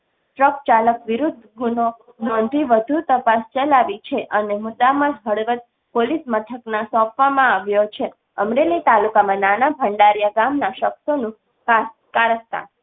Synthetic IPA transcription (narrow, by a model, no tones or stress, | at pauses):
ʈɾəkt͡ʃaləkʋiɾud̪ʱɡuno | nɔnd̪ʱiʋəd̪ʱut̪əpast͡ʃəlaʋit͡ʃʰeʔənemʊd̪ːamãd͡ʒɦəɽʋət̪̚ | polismət̪ʰəknasɔ̃pʋamãaʋjot͡ʃʰe | əmɾelit̪alukamãnanabʱəɳɖaɾjaɡamnaʃəksonũ | ka | kaɾəst̪a̰n